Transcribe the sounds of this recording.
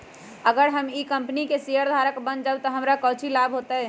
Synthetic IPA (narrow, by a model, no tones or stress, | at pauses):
əɡəɾɦəmikəmpnikesiəɾd̪ʱaɾəkbənd͡ʒabt̪ɔɦəmɾakəwt͡ʃʰilabʱɦot̪ə